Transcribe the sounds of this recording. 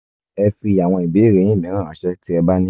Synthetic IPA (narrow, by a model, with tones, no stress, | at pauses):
ɛ˧fi˧a˨w̃ɔ̃˧i˨be˨˦˨ɾe˨˦j̃ĩ˦˨mĩ˨˦ɾ̃ã˦˨ã˨˦ʃɛ˦ti˦ɛ˧ba˦nĩ˦